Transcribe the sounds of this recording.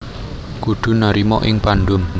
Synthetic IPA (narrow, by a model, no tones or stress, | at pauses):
kuɖ̪̥ṳnaɾimɔ̰ʔɪ̰ŋpanɖʊn